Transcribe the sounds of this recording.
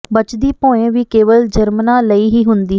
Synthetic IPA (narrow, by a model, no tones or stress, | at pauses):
bət͡ʃd̪iːpõːẽːʋiːkeːʋəld͡ʒəɾmnãːləiːɦiːɦʊnd̪iː